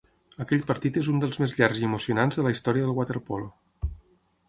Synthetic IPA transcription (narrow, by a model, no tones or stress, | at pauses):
əkɛʎpəɾt̪it̪ezund̪əlˠzmezʎaɾziəmusiunanzðələist̪ɔɾiəðəlˠɣwat̪eɾpɔlo